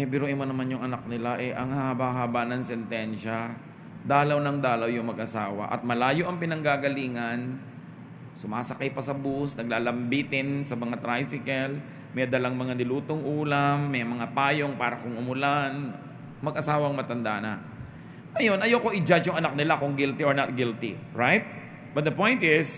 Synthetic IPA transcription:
ʔɛpɛɾoʔɪmonɐmanjʊŋʔɐnak̚nɪlaʔɛʔɐŋhahɐbaɦaːbanɐŋsɛnt̪ɛnʃɐ | d̪aːlɐwnɐŋd̪aːlɐwjʊŋmɐɡʔɐsaːwɐ̰ʔɐ̰t̪̚mɐlaːjoʔɐŋpɪnɐŋɡaɡɐliːŋɐn | sʊmaːsɐkɐjpɐsɐbusnɐɡlaːlɐmbiːt̪ɪnsɐmɐŋat̪ɾajsɪkɛl | mɛjd̪ɐlaŋmɐŋanɪluːt̪oŋʔuːlamːɐjmɐŋapaːjo̞ŋpaːɾɐkʊŋʔʊmʊlan | mɐɡʔɐsaːwɐŋmɐt̪ɐnd̪a̰nɐ | ɐjo̞nʔɐjoko̞ʔɪd͡ʒat͡ʃjʊŋɐnak̚nɪlakʊŋɡɪlt̪ɪʔoɹnɐt̪̚ɡɪlt̪ɪ̰ɹajt̪̚ | b̥ɐt̪̚d̪ɐpõ̞jnt̪ɪs

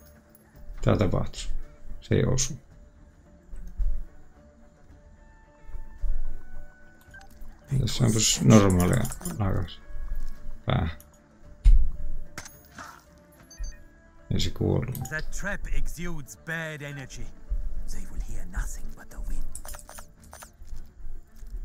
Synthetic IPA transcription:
t̪æt̪ɑpɑ̰ht̪u̥sḛˑiʔo̰su | it̪æsːopɑsnormɑlḛlɑˑkɑs | pa̰ | ḛsikṵluðɨtʰɹ̥ɪpɪkzjudzbæɾɛnə˞d͡ʒiðeɪwəd̚hiɹnʌθɪ̃ŋbʌt̪̚ðəwɪ̃n

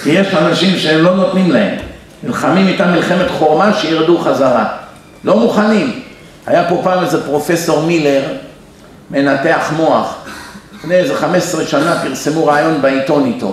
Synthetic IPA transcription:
kijeʃanaʃimʃeemlo̞no̞t̪nimlahe̞̰mː | ilχamimit̪amilχe̞me̞t̪χo̞ʁmaʃejiʁd̪uχazaʁa | lo̞muχanim | ha̰japo̞paːmezepʁo̞fe̞so̞ʁmile̞ʁ | me̞nat̪e̞aχmo̞aχfneezeχame̞ssʁeʃanapiʁse̞muʁaːjo̞nbeit̪o̞nit̪o̞̰

